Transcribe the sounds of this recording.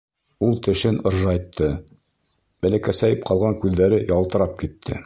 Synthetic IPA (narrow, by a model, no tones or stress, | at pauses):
ulˠt̪ɘ̆ʃɘnŏɾʒɑjt̪ʰːɤ | bælækæsæjɘp̚qʰɑlˠʁɑŋkʉðːæɾɘjɑlˠt̪ɤ̆ɾɑp̚kit̪ʰːɘ̰